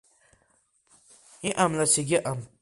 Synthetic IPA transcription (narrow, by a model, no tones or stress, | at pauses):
iʔamlaseɡʲɪʔam